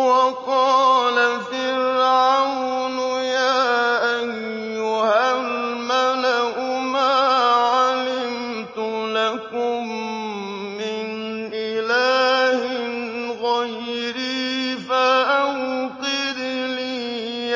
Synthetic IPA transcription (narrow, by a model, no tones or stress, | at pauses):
wɑqɑːlafɪɾʕaw | njaːʔajː | ʊhalmalaʔʊmaːʕalɪm | t̪ʊlakʊmː | ɪn | ʔɪlaːhɪnɣɑjɾiːfaʔawqɪɾiliː